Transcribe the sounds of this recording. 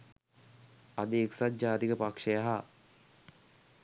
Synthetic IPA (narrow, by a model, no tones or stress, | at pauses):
ad̪əeksat̪̚d͡ʒaːt̪ikəpakʂəjaɦa